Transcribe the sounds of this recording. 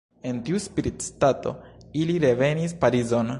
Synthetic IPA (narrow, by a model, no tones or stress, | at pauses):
e̞ntiuspiɾitstato̞̰iliɾe̞ve̞nispaɾizo̞n